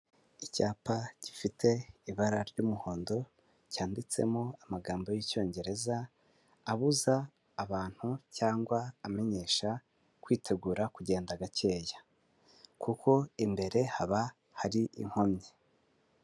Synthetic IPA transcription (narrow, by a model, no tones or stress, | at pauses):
icaːpaɟ̥ifitʰe̞iβaɾaɾɟuːmuho̞ːndo̞ | caːndit͡se̞̰moamaɡaːmbo̞jico̞ːɲɟe̞ɾe̞zaː | βuzaː | βaːn̥hucaːŋɡwaːme̞ɲe̞ʃa | kwiːtʰe̞ɡuːɾakuɟe̞ːndaɡace̞ːja | kukʰo̞imbe̞ɾe̞haβa | haɾiʔḭŋ̥ho̞mɲe